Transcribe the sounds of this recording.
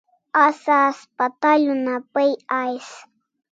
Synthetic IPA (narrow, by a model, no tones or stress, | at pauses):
asaspat̪aʎʊnapajajs